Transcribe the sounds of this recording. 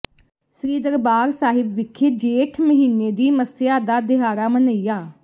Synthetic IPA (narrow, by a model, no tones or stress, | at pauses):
sɾiːd̪əɾbaːɾsaːɦɪbʋɪkʰːeːd͡ʒeːʈʰməɦiːneːd̪iːməsɪjaːd̪aːd̪ɪɦaːɾaːmənəiːjaː